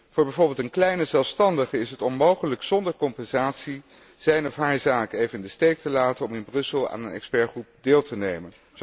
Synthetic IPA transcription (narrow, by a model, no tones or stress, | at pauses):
v̥ʊːɹbɛjvoːɹbeːlˠtənklɛjnəzɛlˠfstɑndəχəɪsɦətɔnmowχələksɔndəɹkɔmpɛnzaːtsi | z̥ɛjnɔfɦaːɹzaːkejvənndəstejk̚təlaːtənɔmɪnbrɵsəlˠa̰ːnənɛ̰kspɛɹχrup̚deːlˠtənejmən